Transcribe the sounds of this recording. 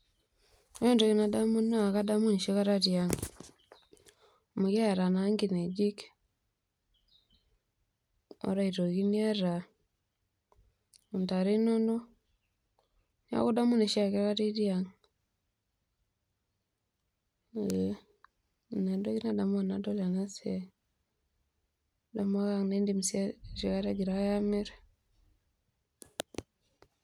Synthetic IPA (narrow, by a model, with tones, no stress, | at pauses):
e˦ndo˨˦ɣi˦na˨da˦mu˦na˦˨ka˦da˦mu˦ni˨ʃe˦ka˦ɾa˦ɾja˨ŋ | mu˨ɣa˦˨ɾa˨na˦ŋɡi˨ne˨d͡ʒi˦k | o̰˦ɾa˦˨i˨ɾo˨ɣi˦nia˦ɾa˨ | u˨nta˨ɾe˦no˦no˦ | na̰˦ko˦da˦mu˦ne˨ʃi˦a˨kɛ˦ka˦ti˦di˦a˨ŋ˦˨ | na˨ndo˦ɣi˦na˦˨da˨m˦a˨na˨dɔ˦la˨na˦se˨ | da˨ma˦ɣa˦ŋne˦ndi˦msa˦ʃi˨ka˦ɾa˦ɡi˨ɾa˦ja˦mɛ˦ɾɛ